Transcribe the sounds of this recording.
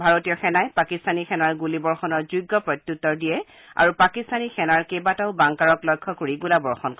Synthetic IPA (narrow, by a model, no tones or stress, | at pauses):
bʱaɹotijɔxɛnajpakistanixɛnaɹɡulibɔɹxɔnɔɹzujɡːɔpɹɔt̪jutːɔɹdijɛ | a̰ɹupakistanixɛnaɹkejbataʊbaŋkaɹɔklɔjkʰːɔkoɹiɡulabɔɹxɔnk